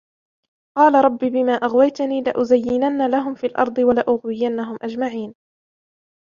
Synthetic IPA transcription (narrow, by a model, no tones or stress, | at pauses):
qɑːlaɾˤɑbːiːbɪmaːʔaɣwajt̪aniːlaʔʊzajːɪnanːalaɦʊmfiːlʔɑ̰ɾˤd̪ˤɨwalaʔʊɣwɪjanːaɦʊmʔad͡ʒmaʕiːn